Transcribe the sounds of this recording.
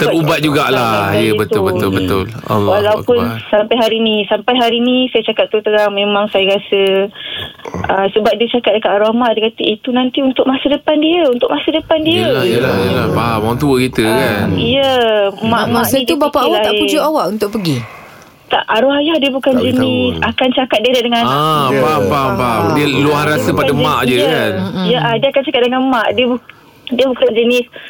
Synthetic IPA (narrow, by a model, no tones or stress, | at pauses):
t̪əubat̪̚d͡ʒuɡaʔlaajəbət̪ʊbət̪ʊbət̪ʊlwalawpʊnsampajɦaɾinĩsampajɦaɾinĩsajat͡ʃakat̪̚ːuət̪əɾaŋmẽmãŋsajaɾasə | ʔəsəbap̚diət͡ʃakat̪̚dəkat̪̚aɾuamaʔdəkat̪əʔit̪unant̪iunt̪ʊk̚masədəpandiəunt̪ʊk̚masədəpandiəəlaijəlabaɦawaŋt̪uəkit̪əkanijəmãʔmaʔid̪ubapaʔawalʔat̪apud͡ʒoʔawaʔunt̪ʊʔ̚pəɡi | t̪a̰ʔaɾuɦajadiəbukand͡ʒənisakant͡ʃakat̪̚diədaʔdəŋanaaapapadiəluaɾasəpadamaʔd͡ʒəkanijəʔadiəakant͡ʃakat̪̚dəŋanmaʔdiəbu | diəbukand͡ʒənɪs